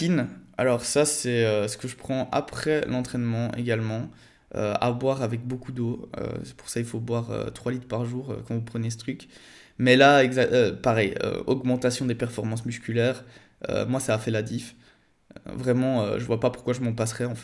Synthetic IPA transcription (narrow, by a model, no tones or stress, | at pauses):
ina̰lɔʁsasɛøsə̥kəʒəpχɑ̃ʔa̰pχɛlɑ̃t̪χɛnmɑ̃ḛɡalmɑ̃ | ø̰a̰bwaʁavɛk̚bokud̪oø̰sɛ̥pu̥ʁsailfobwaʁø̰t̪χwalit̪χpaʁʒuːʁø̰kɑ̃vupχənes̬ə̥t̪χyk | mɛlaɛɡzaøpaʁɛjø̰ɔɡmɑ̃t̪asjɔ̃d̪epɛʁfɔʁmɑ̃smyskʲylɛːʁ | ø̰mwasaːfɛlad̪if | øvʁɛmɑ̃ø̰ʒəvwapapu̥ʁkwaʒəmɑ̃pasχɛɑ̃f